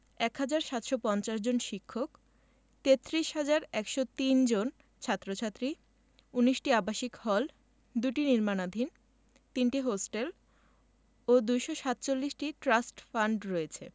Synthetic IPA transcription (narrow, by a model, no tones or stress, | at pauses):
ɛkɦad͡ʑaɾʃat̪ʃopɔnt͡ɕaʃd͡ʑonʃikʰːok | t̪et̪ːɾiʃɦad͡ʑaɾɛkʃot̪ind͡ʑon | t͡ɕʰat̪ːɾot͡ɕʰat̪ːɾi | uniʃʈiabaʃikhɔl | d̪uʈiniɾmanad̪ʱin | t̪inʈiɦosʈel | od̪ujʃoʃat̪t͡ɕolːiʃʈiʈɾasʈfaɳɖɾɔet͡ɕʰḛ